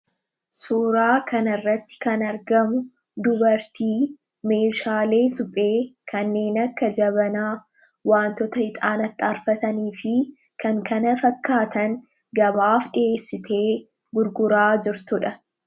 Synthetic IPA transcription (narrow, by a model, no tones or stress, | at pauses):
suːɾaːkʰɐnɐɪrːɐt̪ːɪ̥kɐnɐɾɡɐmʊ | d̪ʊbɐɾt̪iː | me̞ːʃaːle̞ːsʊpʼeːkʰɐnːe̞ːnɐkːɐd͡ʒɐβɐnaː | waːnt̪ɔt̪ɐhɪt̪ʼaːnɐt̪ːaːɾfɐt̪ɐniːfɪ | kɐŋkʰɐnɐfɐkːaːt̪ɐŋ | ɡɐbaːfɗɪe̞ːsːɪt̪ʰe̞ː | ɡʊɾɡʊɾaːd͡ʒɪɾt̪ʊᶑɐ